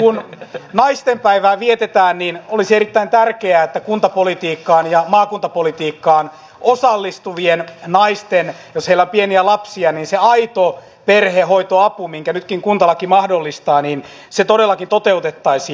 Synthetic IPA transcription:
kunnɑist̪empæiʋæːʋiet̪et̪æːnniːnolisieɾit̪ːæint̪ærkeæːet̪ːækunt̪ɑpolit̪iːkːɑːnjɑmɑːkunt̪ɑpolit̪iːkːɑːn | osɑlːist̪uʋiennɑist̪en | josheilːæompieniælɑpsiɑninseɑit̪o | perhehoit̪oɑpumiŋkænyt̪kiŋkunt̪ɑlɑkimɑhdolːist̪ɑːniːn | set̪odelːɑkint̪ot̪eut̪et̪ːɑisiː

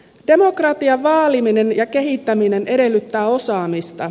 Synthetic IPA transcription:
d̥e̞mo̞krɑt̪iɑʋʋɑːlimine̞njɑke̞ɦit̪ːæmine̞ne̞de̞lːyt̪ːæːo̞sɑːmist̪ɑ

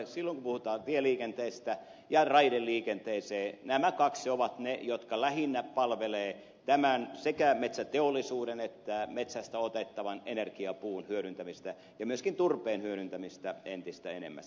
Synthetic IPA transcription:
silːoŋkumpuhut̪ɑːnt̪ieliːkent̪eist̪æ | jɑrɑidelliːkent̪eːseːnæmækɑksoʋɑt̪nejot̪kɑlæhinːæppɑlʋeleː | t̪æmænsekæmet̪sæt̪eolːˑisuːɾenet̪ːæmet̪sæst̪æot̪et̪ːɑʋɑnenerkiɑpuːnhyøɾynt̪æmist̪æ | jɑmyøskint̪urpeːnhyøɾynt̪æmist̪æent̪ist̪æḛnḛmːæ̰s

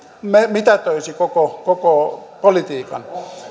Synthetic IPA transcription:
memit̪æt̪øisikokokokopolit̪iːkɑ̰n

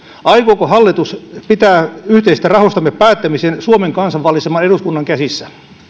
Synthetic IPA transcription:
ʔɑjkokohɑlːit̪uspit̪æːyht̪eist̪ærɑhost̪ɑmːeppæːt̪ːæmisensuomeŋkɑnsɑʋʋɑlːˑit̪semɑneɾuskunːɑŋkæsisːæ

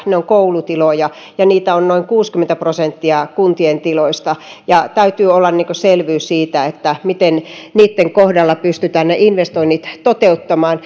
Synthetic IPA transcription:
neoŋkoulut̪ilojɑ | jɑniːt̪æonnoiŋkuːskyment̪æprosent̪ːiɑkunt̪ient̪iloist̪ɑjɑt̪æyt̪yːolːɑnniːŋkoselʋyːssiːt̪æet̪ːæmit̪enniːt̪ːeŋkohdɑlːɑpyst̪yt̪æːnneʔinʋest̪oinːit̪t̪ot̪eut̪ːɑmɑːn

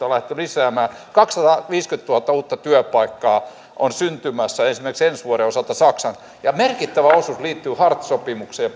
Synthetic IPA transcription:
olæhet̪ːulisæːmæːkɑkssɑt̪ɑʋiːskyt̪t̪uhɑt̪ːɑuːt̪ːɑt̪yœpɑikːɑː | ʔonsynt̪ymæsːæensimerksensʋuoreosɑlt̪ɑsɑksɑn | jɑmerkit̪ːæʋæosusliːt̪ːyːhɑrt̪sopimukseːjjɑ

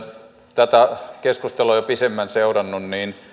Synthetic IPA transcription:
t̪æt̪ækeskust̪elojopisemːænseurɑnːunniːn

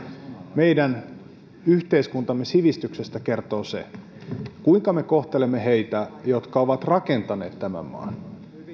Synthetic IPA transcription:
meidæn | yçt̪eiskunt̪ɑmːesiʋist̪yksest̪æke̞rt̪o̞ːsḛ | kuiŋkɑme̞koht̪elemːeɦeit̪æjot̪kɑoʋɑt̪rɑke̞nt̪ɑneːt̪ːæmæ̰mːɑ̰ːn

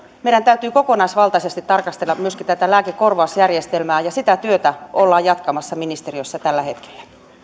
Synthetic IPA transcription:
meiɾænt̪æyt̪yːkokonɑisʋɑlt̪ɑisest̪it̪t̪ːɑrkɑst̪elːɑmmyøskint̪æt̪ælæːkekorʋoɑusjærjest̪elmæːjɑsit̪æt̪yøt̪æolːɑjjɑt̪kɑmɑsːɑminist̪eriosːɑt̪ælːæhet̪ke̥lːæ̥

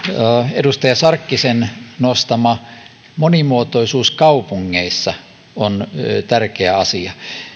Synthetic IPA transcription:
oedust̪ɑjɑsɑrkːisennost̪ɑmɑ | monimuot̪oisuːskɑupuŋːeisːɑ | ont̪ærkeæɑsiɑ

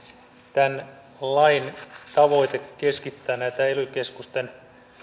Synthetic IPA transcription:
t̪æn | lɑjnt̪ɑʋo̞it̪eke̞skit̪ːæːnæjt̪æelyk̟e̞skust̪en

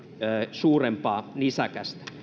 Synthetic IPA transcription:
suːrempɑːnisækæst̪æ̥

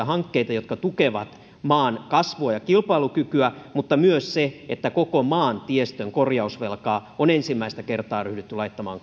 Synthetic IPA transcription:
æhɑŋkːeit̪ɑjot̪kɑt̪ukeʋɑt̪ | mɑːnkɑsʋuɑjɑkilpɑilukykyæmut̪ːɑmyøsseet̪ːækokomɑːnt̪iest̪øŋkorjɑusʋelkɑːonensimːæist̪ækert̪ɑːryhdyt̪ːylɑit̪ːɑmɑ̰ːŋ

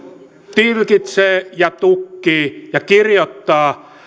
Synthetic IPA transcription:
t̪ilkit̪seːjɑt̪ukːiːjɑkirjot̪ːɑː

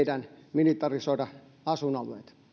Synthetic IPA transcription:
dænmilit̪ːˑɑrʋisoˑidɑ | ɑsunɑluḛt̪

